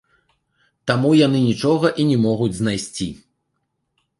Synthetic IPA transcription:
t̪amujan̪ɨnʲit͡ʂɔɣɐʔinʲɛmɔɣud͡zʲzn̪ajsʲt͡sʲi

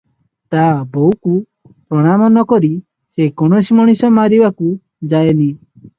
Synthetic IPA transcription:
t̪abowku | pɾɔɽ̃amɔnɔkɔɾi | sekɔɽ̃ɔsimɔɽ̃isɔmaɾibaku | d͡ʒajeni

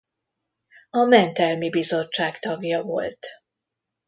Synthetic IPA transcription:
ɒmɛnt̪ɛlmibizo̞t͡ʃːaːkt̪ɒɡjɒvo̞̰lt̪

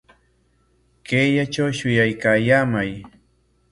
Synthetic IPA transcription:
keːjat͡ʃawʃʊjajkaːjaːmaj

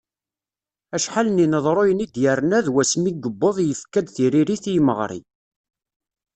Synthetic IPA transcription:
æʃħaləninəðˤɾˤojənid̪jəɾnæðwæsmiɡəbːoðˤjəfkːæd̪θiɾiɾiθjməʁɾḭ

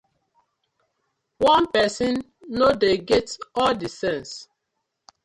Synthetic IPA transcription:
wɔ̃npɛsĩnː | odeɡetɔldisɛ̃ns

